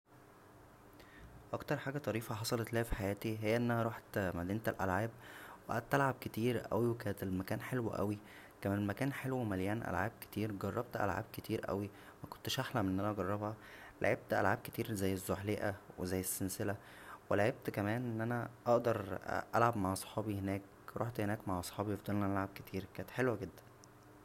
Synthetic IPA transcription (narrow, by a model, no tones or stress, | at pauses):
ʔɑkt̪ɑɾˤħaːɡæt̪ˤɑɾiːfæħɑsˤɑlɑt̪læhæfi̥ħajæːt̪iɦejːæʔenːʔæhæɾˤuħt̪mæd̪iːnt̪elʔæ̰lʕaːb̚wʔæ̰t̪ʔælʕab̚ket̪iːɾʔæ̰wiwekæːnet̪elmækæːnħelwʔæ̰wi | kæmænelmækæːnħelwmæljæːnʔæ̰lʕaːb̚ke̥t̪iːɾɡɑrˤːɑb̚t̪ʔæ̰lʕa̰ːb̚ket̪iːɾʔæ̰wi | mæko̥nt̪eʃʔaħlæmʔenʔænæʔɑɡɑrˤːɑbhæla̰ʕeb̥̚t̪ʔæ̰lʕaːb̚ke̥t̪iːɾzæjːezːoħleʔæwezæːjːesːenselæ | welaʕeb̚t̪kæmæːnʔenːʔænæʔɑʔd̪ɑɾˤʔælʕabmaʕʔɑsˤħɑːbihenæːk | ɾʔo̰ħt̪henæːkmaʕʔɑsˤħɑːbifd̪ˤɑlnɑnʔælʕab̚ket̪ʰiːɾkæːnet̪ħelwæɡed̪ːæ̥n